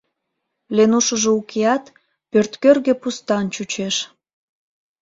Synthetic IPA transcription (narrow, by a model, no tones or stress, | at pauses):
lenuʃəʒeukeɑt̪ | pørt̪kørɣepust̪ɑnt͡ɕut͡ɕeʃ